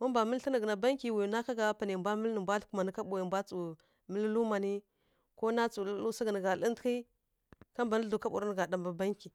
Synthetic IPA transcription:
ma˦mba˨mə˦lɬə˦nə˨ɡna˨ba˦ŋki˨wi˨ju˨na˦ka˦ɡa˨˦pa˨ne˨m˨bʷa˦mə˦lnə˨mbʷa˦ɬku˦ma˨ni˦ka˦ɓu˨ji˨mbʷa˦t͡su˨ | mə˦llu˦ma˨ni˦ | ko˦na˦t͡su˨llu˦sa˦ɡa˨nə˨ɡa˨li˦ntki˦ | ka˦mba˨n˦ɮu˨ka˦ɓṵ˨ɾa˦n˨ɡa˨da˨mba˨ba˦ŋki˨

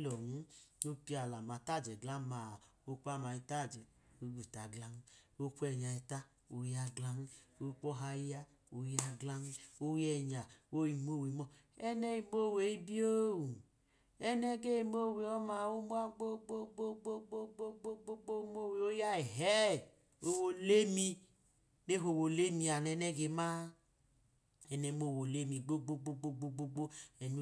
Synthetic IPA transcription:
lɔ˨nu˦no˦pi˦a˨la˨ma˨ta˦˨d͡ʒɛ˨ɡla˦ma˨o˦k͡pa˦˨ma˧i˧ta˦˨d͡ʒɛ˨o˦ɡu˨ta˨ɡla˦n˦wo˦kʷɛ˦˨ɲa˧i˧ta˦ | o˨˦ja˧ɡla˦n˦o˦k͡pɔ˦ɦa˧i˦ja˦ | o˧˦ja˧ɡla˦n˦o˦jɛ˦˨ɲa˨wo˦i˧mo˦we˨˦mɔ˦˨ | ɛ˦nɛ˦i˨˧mo˦˨we˨i˦bi˦o˦wu˨ | ɛ˦nɛ˦ɡe˦i˨m˦o˦˨we˨ɔ˦ma˨wo˦mo˦a˦ɡ͡bo˦ɡ͡bo˦ɡ͡bo˦ɡ͡bo˦ɡ͡bo˦ɡ͡bo˦ɡ͡bo˦ɡ͡bo˦ɡ͡bo˦mo˦˨we˨o˦ja˦e˨ɦɛ˦˨ | o˦wo˨le˦mi˧ | ne˦ɦo˨wo˨le˦mi˨a˨nɛ˨˦nɛ˦ɡe˨ma˦ | ɛ˨nɛ˨˦mo˦˨wo˨le˦mi˨ɡ͡bo˦ɡ͡bo˦ɡ͡bo˦ɡ͡bo˦ɡ͡bo˦ɡ͡bo˦ɡ͡bo˦ɛ˨nu˦

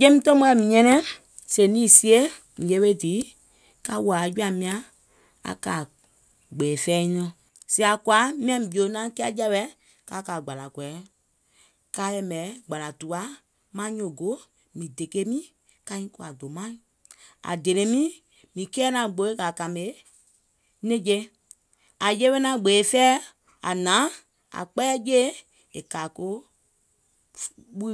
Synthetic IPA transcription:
jẽ˦mĩ˦tɔ̃˦mɔ˦ɛ˨mĩ˨ɲɛ̃˧˦nɛ̃˦ | se˨nĩː˦˨si˦e˦ | mĩ˨je˦e˦diː˨˦ | ka˧wa˨˦d͡ʒu˦a˨mĩ˧ã˦ | a̰˨kaː˨ | ɡ͡bɛː˨fɛː˦nɔ̃˧˨ | si˦a˨kwa˨˦mĩ˦ã˧mĩ˨bi˨o˨˦nã˦kɛ˦a˦d͡ʒɛ˦ɓɛ˧˦ | ka˨˦ka˨ɡ͡ba˨la˨kwɛ˨˦ | ka˨˦jɛ˧˦mɛ˨˦ɡ͡ba˨la˨tu˨a˨˦ | mã˦ɲõ˨ɡo˨˦ | mĩ˨de˨ke˦mĩ˦ | ka˧˦ĩ˦ko˧a˨do˨mã˦˨ | a̰˨de˨ɾẽ˨˦mĩ˦ | mĩ˨kɛː˦nã˨ɡ͡bo˨˧˦e˦ka˨ka˨me˨˦ | nẽ˦d͡ʒe˧ | a˨je˦we˦nã˧˦ɡ͡be˨e˨˦fɛː˦ | a˨nã˨˦ | a̰˨k͡pɛ˦ɛ˦je˦ | e˨kaː˨ko˦ | ɓu˦

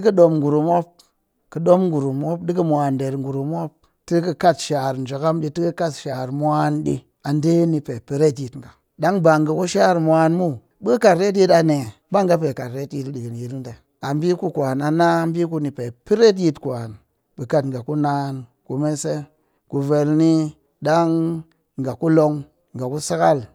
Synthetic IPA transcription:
ɨ˦kɨ˦ɗo˧mŋɡu˨ɾu˨mo˦p̚ | kɨ˨ɗo˦mŋɡu˨ɾu˨mo˦pɗi˦kə˦mʷa˨nde˨ɾŋɡu˨ɾu˨m˦o˦p̚ | ti˦kɨ˧ka˦tʃa˨ɾn˨d͡ʒo˨ka˦mɗi˧ti˦ɨ˦ka˦tʃa˨ɾmʷ˦a˦nɗḭ˧ | a˨nde˦ni˧pe˨pi˦ɾe˦t̬ji˨tŋɡa˨ | ɗa˦ŋba˨ŋɡə˨ku˦ʃa˦˨ɾmʷ˦a˧nmu˦ | bə˦ka˨ɾe˦t̬i˧ta˨ne˨ | ba˦ŋɡa˦pe˨ka˨ɾɾe˦ti˧tɗi˨ɡɨ˨nji˨ɾi˦nde˨ | a˨mbi˦ku˧kʷa˨na˨na˦mbi˦ku˧ni˨pe˨pi˦ɾe˦t̬ji˧tkʷa˨n | ɓə˨ka˦˨tŋɡa˨ku˦na˦n | ku˨me˦se˦ | ku˨ve˨lni˦ | ɗa˦ŋ | ŋ˨ɡa˨ku˦lo˧ŋ | ŋɡa˨ku˦sa˦ka˦˨l

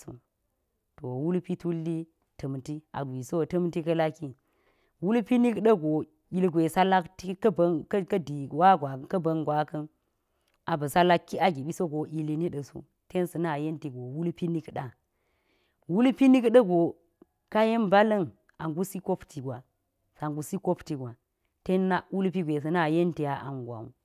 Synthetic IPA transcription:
sṵ˨ | to˨wu˦lpi˦tu˦lːi˦ | tə˨mti˦a̰˨ɡʷi˨so˦˨tɐ˦mti˦kɐ˦la˦ki˦ | wu˦lpi˦ni˦kɗɐ˦ɡo˨ | i˦lɡʷe˨sa˦la˦kti˦kɐ˦bn˦kɐ˦di˨wa˦ɡʷa˨kɐ˦bɐ˨ŋɡʷa˨kɐ˦n | a˨bɐ˨sa˦la˦kːi˦a˨ɡi˨ɓi˦so˦ɡo˨ʔi˨li˦ni˦ɗə˨sṵ˦ | te˦nsɐ˨na˦˨je˦nti˨ɡo˨wu˦lpi˦ni˦kɗa˨ | wu˦lpi˦ni˦kɗə˦ɡo˨ | ka˦je˦mba˦lɐ˦n | a˨ŋɡu˦si˦ko˦ptʰi˨ɡwa˨ | sa˨ŋɡu˨si˦ko˦pti˨ɡwa˨ | te˦nːa˦wu˦lp̬i˦ɡʷe˨s̬ɐ˨na˦˨je˦nti˨ja˨ʔa̰˨ŋɡʷa̰˨wṵ˨

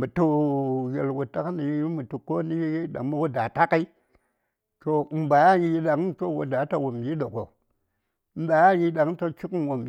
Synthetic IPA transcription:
mu˨tu˦je˨lwo˨ta˦kni˨˦i˦mu˨tu˨ko˦ni˦ɗa̰˨ŋ˦mi˦wo˦da˨ta˦ka˦i˦ | to˨˦m̩˨ba˨˦a˦ɲi˦ɗa˨ŋ˦to˦wo˨da˨˦ta˨wo˨mbi˦ɗo˨ko˨˦ | ba˨˦a˦ji˦ɗa˨ŋ˦to˦t͡ʃi˦kwo˨mb

